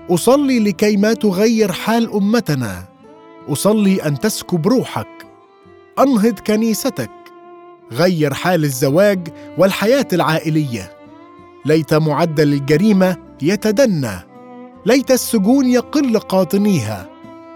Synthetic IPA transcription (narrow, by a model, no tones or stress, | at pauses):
ʔʊsˤɑlːiːlɪkajmat̪ʊɣajːɪɾħaːlʔʊmːat̪ana̰ | ʔɑsˤɑlːiːʔant̪askʊbɾuːħak | ʔɑnɦɨd̪ˤkaniːsat̪ak̚ | ɣajːɪɾˤħaːlɪzːawaːɡwɪlħajaːt̪alʕaːʔɪlɪjːa̰ | lajt̪amʊʕad̪ːalɪlɡaɾiːma | jat̪ad̪anːa̰ | lajt̪asːʊɡuːnjɑqɨlːqɑːt̪ˤɨniːɦa̰